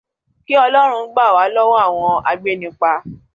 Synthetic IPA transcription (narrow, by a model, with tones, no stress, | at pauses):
ki˦ɔ˧lɔ˦ɾ̃ũ˧˦ɡ͡ba˦˨wa˨˦lɔ˦wɔ̃˦a˦˨w̃ɔ̃˧a̰˧ɡ͡be˦nĩ˧k͡pa˧